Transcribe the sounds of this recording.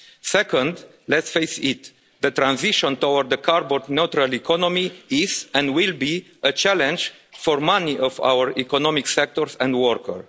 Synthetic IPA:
sɛkə̃nd̪ | lɛt̪sfejsit̪ | d̪ət̪ɾãnziʃɔ̃nt̪owəɾd̪əkʰaɾbɔnot̪ɾalikʰɔnomiizɛ̃nwilbi | ət͡ʃælɛ̃nd͡ʒ | fɔɹmaniʔɔva̰wəɹikɔnɔmiksɛk̚t̪ɔɹsɛ̃nd̪wɔɹkʰəɹ

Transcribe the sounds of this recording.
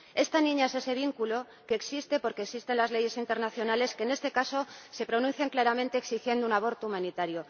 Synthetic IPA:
e̞st̪anĩɲaese̞se̞β̞iŋkulo | ke̞ːksist̪e̞po̞ɾkeːksist̪e̞nlazle̞ʝe̞sint̪e̞ɾnaθjo̞nale̞skeːne̞st̪e̞kaso̞se̞pɾo̞nũn̟θjaŋklaɾamẽnt̪eeːksixje̞nd̪ounaβ̞o̞ɾt̪oumãnit̪aɾjo

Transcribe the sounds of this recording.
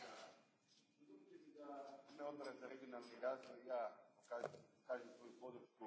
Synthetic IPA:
ineod̪ɾazaɾeɡionalniɾaːzʋojjaːokakaːʒemsʋojupod̪ɾut͡ʃku

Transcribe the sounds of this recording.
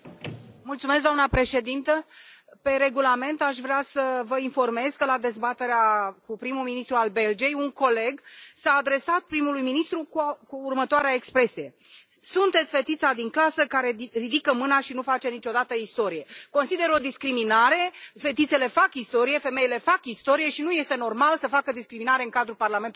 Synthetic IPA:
mult̪sumes̬ɡd̪oamnəpɾe̞ʃe̞d̪int̪əpe̞ɾe̞ɡulame̞nt̪aʃ̬vɾeasəvəinfo̞rme̞zkəlad̪e̞zbat̪e̞ɾeakupɾimuminist̪ɾualbe̞ld͡ʒie̞juŋko̞le̞ɡsaːd̪ɾe̞sat̪̚pɾimulujminist̪ɾukukuːrmət̪oaɾeaekspɾe̞sije̞ | sunt̪et̪sʲfe̞t̪it̪sad̪iŋklasəkaɾe̞rid̪ikəmɨnaʃinufat͡ʃe̞nit͡ʃo̞d̪at̪əist̪o̞ɾije̞ko̞nsid̪e̞ɾo̞d̪iskɾiminaɾe̞fe̞t̪it̪se̞le̞fakist̪o̞ɾije̞fe̞me̞jile̞fakist̪o̞ɾije̞ʃinuje̞st̪e̞no̞rmalsəfakəd̪iskɾiminaɾe̞ɨŋkad̪ɾulparlame̞nt̪

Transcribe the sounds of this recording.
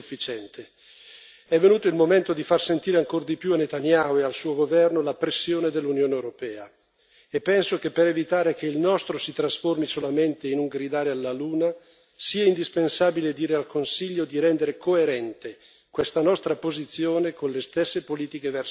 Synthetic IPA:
ufːit͡ʃɛnt̪ʰe | ɛvːenuːt̪oilmoment̪od̪ifarsent̪iːɾeaŋkord̪ipjuanet̪anjaoealsuːoɡovɛrnolapɾesːjoːned̪elːunjoːneewɾopɛːa | epːɛnsokepːeɾevit̪aːɾek̟eilnɔst̪ɾosit̪ɾasformisolament̪einuŋɡɾid̪aːɾealːaluːna | siːaind̪ispensaːbiled̪iːɾealkonsiʎːod̪iɾɛnd̪eɾekoeɾɛnt̪e | kwest̪anɔst̪ɾapozit̪sːjoːnekonlest̪esːepoliːt̪ikevɛr

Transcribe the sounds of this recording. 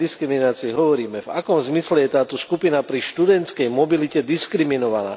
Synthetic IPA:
iskɾiminaːt͡siɛɦɔʋɔɾiːmɛvakɔmzmislɛjɛt̪aːt̪ɔskupinapɾiʃt̪ud̪ɛnt̪t͡sskɛjmɔbilicɛd̪iskɾiminɔʋana̰ː

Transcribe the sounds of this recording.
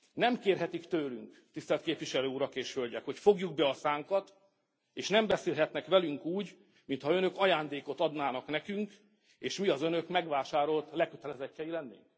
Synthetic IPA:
nɛmkeːrɦɛt̪ikt̪øːlyŋk | t̪ist̪ɛlt̪keːpʋiʃɛløːuɾɒkeːʃhølɟɛkho̞cfo̞ɡjuɡ̚bɛɒsaːŋkɒt̪ | eːʃnɛmbɛseːlɦɛt̪nɛkʋɛlyŋkuːɟ | mint̪hɒø̞nø̞kɒjaːnd̪eːko̞t̪ɒd̪naːnɒknɛkyŋk | eːʃmiɒzønø̞kmɛɡʋaːʃaːɾo̞lt̪lɛkøt̪ɛlɛzɛcːɛjilɛnːḛːŋk

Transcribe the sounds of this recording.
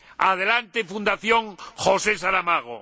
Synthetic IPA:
að̞elant̪efund̪aθjoŋxosesaɾamaɣ̞o̰

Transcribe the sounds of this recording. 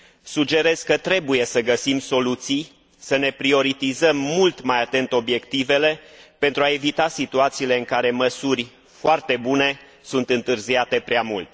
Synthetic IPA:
sud͡ʒe̞ɾe̞z̥kət̪ɾe̞buje̞səɡəsimso̞lut̪sij | səne̞pɾio̞ɾit̪izəmːult̪majat̪e̞nt̪o̞bje̞kt̪ive̞le̞pe̞nt̪ɾuae̞vit̪asit̪uat̪siːle̞ɨŋkaɾe̞məsurʲ | foart̪e̞bune̞ | sunt̪ɨnt̪ɨrziat̪e̞pɾʲeamult̪

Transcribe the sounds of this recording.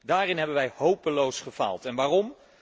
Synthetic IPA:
daːrɪnɦɛbənʋɛjhowpəlowsχəv̥a̰lˠtɛnʋaːrɔm

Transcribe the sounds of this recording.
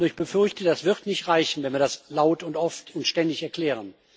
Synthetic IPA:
ɪçb̥əfʏɐçtədasv̥ɪʁtnɪçtʁaɪçn̩vɛnviːɐdaslaʊtʊntʔɔftʊntʃtɛndɪçɛɐkl̥ɛːʁən

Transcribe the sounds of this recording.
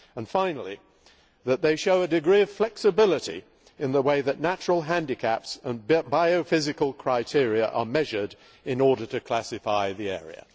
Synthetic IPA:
ə̃nfãɪ̃nl̩ˠi | ðɨt̪̚ðeɪʃoʊɨdɨɡɹiʌv̥flɛksɨbɪlˠəɾḭ | ɨ̃nðəweɪðɨtⁿnæt͡ʃɹəl̩ˠɦæ̃ndɨkʰæpsə̃nbaɪoʊfɪzɨkəlˠkʰɹ̥aɪtʰɪɹiɨʔə̰˞mɛʒə˞ɾ | ɨ̃nɔɹɾə˞ɾɨkʰl̥æsɨfaɪðiɛ̰ɹḭɨ̰

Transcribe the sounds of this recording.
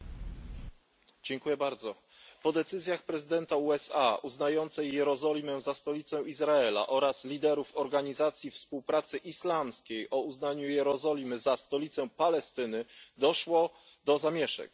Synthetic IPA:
d͡ʑɛŋkujɛbaɾd̪zɔ | pɔd̪ɛt̪sɘzʲjaxpɾɛzɘd̪ɛnt̪auɛsauznajɔnt̪sɛjːɛɾɔzɔlʲimɛzast̪ɔlʲit̪sɛizɾaɛla̰ʔɔɾaslʲid̪ɛɾufɔɾɡaɲizat̪sʲjifspuwpɾat̪sɘʔislamskʲejʔɔuznaɲujɛɾɔzɔlʲimɘzast̪ɔlʲit̪sɛpalɛst̪ɘnɘd̪ɔʂwɔ | d̪ɔzamʲjɛʂɛ̰k

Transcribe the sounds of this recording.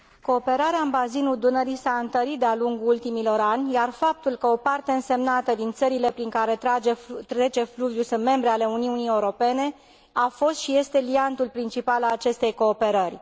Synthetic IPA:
ko̞ːpe̞ɾaɾeaɨmbazinud̪unəɾisaɨnt̪əɾit̪̚d̪ealuŋɡult̪imilo̞ɾanʲjarfap̚t̪ulkəo̞part̪e̞ɨnse̞mnat̪əd̪int̪səɾile̞pɾiŋkaɾe̞t̪aet̪ɾe̞t͡ʃe̞fluvjusɨnme̞mbɾeale̞uniunijewuɾo̞pe̞ne̞ | afo̞st̪ʃije̞st̪e̞liant̪ulpɾint͡ʃipalalat͡ʃe̞st̪e̞jko̞ːpe̞ɾərʲ

